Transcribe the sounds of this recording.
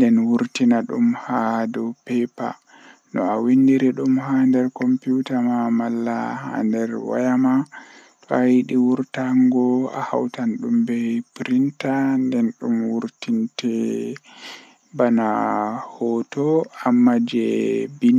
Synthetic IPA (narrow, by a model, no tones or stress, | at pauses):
ndɛnwuɾtinaɗumhadɔpɛpa̰ | nɔ̰awinːdiɾɛɗumhandɛɾkɔmpjutamamalːaha̰ndɛɾwa̰jama | tɔajiɗiwuɾtaŋɡɔa̰ha̰wtanɗumbɛpɾintandɛnɗumwuɾtintʰɛ | banahɔtɔamːad͡ʒɛbin